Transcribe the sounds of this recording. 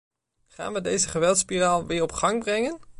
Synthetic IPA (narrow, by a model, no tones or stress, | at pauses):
χa̰ːnʋədejzəχəʋɛlˠtspiraːlˠʋɪːɹɔpχɑŋbrɛŋən